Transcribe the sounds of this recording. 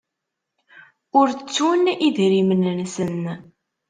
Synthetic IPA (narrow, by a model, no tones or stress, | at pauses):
ʊɾt͡sːuniðɾimənnsən